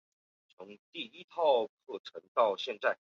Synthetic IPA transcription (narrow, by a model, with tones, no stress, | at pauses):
t͡sʰʊ˧˥ŋt̪i˥˩i˥t̪ʰɑ˥˧ʊkʰɤ˥˩ʈ͡ʂʰɤ˧˥ŋt̪ɑ˥˧ʊɕjɛ˥˧nt͡sa˥˩ɪ